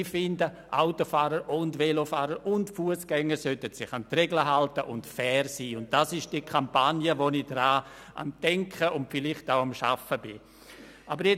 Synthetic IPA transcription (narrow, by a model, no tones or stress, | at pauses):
fɪndə | ʔaʊtofaːɾəɾʔʊndvelofaːɾəɾʊntfuəsɡ̥ɛŋːəɾsøtətsɪχantrɛɡləɦaltəʔʊntfɛːɾsiːʊnt̚d̥asɪʃd̥ikʰampanjəʋonɪd̥ɾaː | a̰ntɛŋkʰəʊntfɪlɪχtaʊamʃa̰fəbɪ | ʔabəɾjɛ